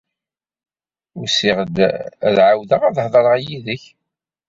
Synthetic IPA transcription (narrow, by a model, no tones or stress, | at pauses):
ʊɾsiʁd̪ðʕawðəʁæðhðˤəɾˤʁjiðəç